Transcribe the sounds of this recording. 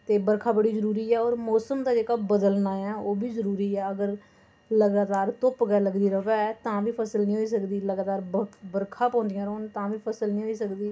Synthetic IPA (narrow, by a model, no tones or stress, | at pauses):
t̪eːbəɾkʰaːbəɽiːzəɾuːɾiːɛːɔːɾmɔːsəmd̪aːd͡ʒeːkaːbəd̪əlnaːɛ̃ːoːbiːzəɾuːɾiːɛːəɡəɾ | ləɡaːt̪aːɾt̪ʊpɡɛːləɡd̪iːɾəʋɛːɛt̪ãːʋiːpʰəsəlnĩːɦoːiːs̬əkd̪iːləɡaːt̪aːɾbəɾkʰãːpɔ̃ːnd̪ɪjãːɾoːnt̪ãːʋiːpʰəsəlnĩːɦoːiːsəkd̪iː